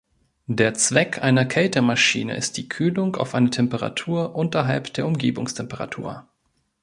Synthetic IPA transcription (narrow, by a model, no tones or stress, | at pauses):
deːɐt͡sv̥ɛkʰʔaɪnɐkʰɛltəmaʃḭːnə̰ʔɪ̰st̚d̥iːkʰyːlʊŋka̰ʊfʔaɪnətʰɛmpəʁa̰tʰuːɐʔʊntɐɦalpd̥eːɐʊmɡeːbʊŋstʰɛmpəʁa̰tʰṵːɐ